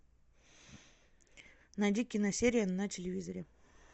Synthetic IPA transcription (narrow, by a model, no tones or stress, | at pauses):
nɐdʲikʲːɪnɐsʲeɾʲɪjənɐtʲɪlʲɪvʲizəɾʲɪ